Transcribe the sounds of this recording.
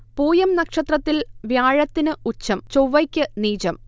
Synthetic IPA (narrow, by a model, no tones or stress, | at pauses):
puːjɐmnɐkʂɐt̪rɐt̪ːilʋjaːɻɐt̪ːinɨut͡ɕːɐmt͡ɕoʋɐjkʲːɨniːt͡ɕɐm